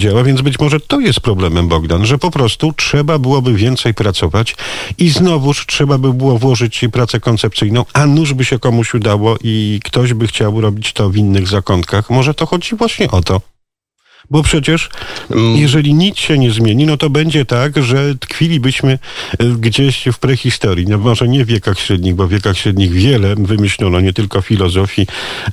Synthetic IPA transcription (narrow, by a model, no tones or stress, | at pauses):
d͡ʑawavʲjɛndzbɘt͡ɕmɔʐɛt̪ɔjɛst̪̚pɾɔblɛmɛmbɔɡd̪anʐɛpɔpɾɔst̪utʂɛbabɘwɔbɘvʲjɛnt̪sɛjpɾat̪sɔvat͡ɕiznɔvuʂtʂɛbabɘbɘwɔvwɔʐɘt͡ɕpɾat̪sɛkɔnt̪sɛpt̪sɘjnɔ̃w̃anuʐbɘɕɛkɔmuɕud̪awɔʔikt̪ɔʑbɘxt͡ɕawɾɔbʲit͡ɕt̪ɔvʲinːɘɣzakɔnt̪̚kaxmɔʐɛt̪ɔxɔd͡ʑivwaɕɲɛʔɔt̪ɔ | bɔpʂɛt͡ɕɛʂ | jɛʐɛlʲiɲit̪sɕɛɲɛzmʲjeɲinɔt̪ɔbɛɲd͡ʑɛt̪aɡʐɛt̪kfʲilʲibɘɕmɘɡd͡ʑeɕfpɾɛxʲist̪ɔɾjinɔmɔʐɛɲɛvʲːjɛkaxɕɾɛd̪ɲiɣbɔvʲjɛkaxɕɾɛd̪ɲiɣvʲjɛlɛvɘmɘɕlʲɔnɔɲɛt̪ɘlkɔfʲilɔzɔfʲji